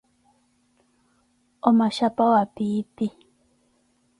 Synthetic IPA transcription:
omaʃapaoapipi

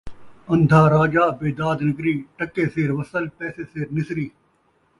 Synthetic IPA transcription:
ɐ̃nd̪ʱaːɾaːd͡ʒaːbeːd̪aːd̪nɪkɾiːʈəkːeːseːɾʋɐsəlpɛːseːseːɾnɪsɾiː

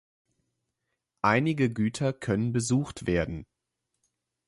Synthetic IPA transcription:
ʔaɪnɪɡəɡyːtʰɐkʰœnənbəzuːxtv̥eːɐdn̩

